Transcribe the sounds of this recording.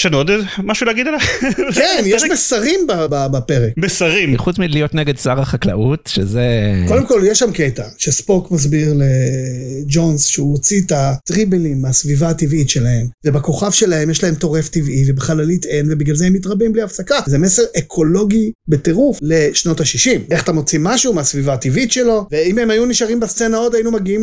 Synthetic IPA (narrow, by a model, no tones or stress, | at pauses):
ʃeanod̪maʃulɛːɡid̪alakenjeʃmesaʁimbababapeʁekmesaʁimχut͡smilijot̪neɡed̪saʁaχakla̰ʔut̪ʃḛzeko̞d̪emko̞ljeʃamketaʃespokmaz̬biʁle | d͡ʒo̞nsʃeuot͡sitat̪ʁibelimːeasvivaːtivitʃelahe̞mvebako̞χavʃe̞lahemjeʃlae̞mto̞ʁe̞ftivivebeχalalit̪e̞nvebiɡlalzeemːit̬ʁabimbliafsakazeme̞se̞ʁekʰo̞lo̞ɡibe̞teʁufle̞ʃno̞taʃiʃimeχatemot͡simːaʃumeasvivaːt̪ivitʃelo̞veime̞majuniʃaʁimbast͡se̞nao̞dajinumaɡiim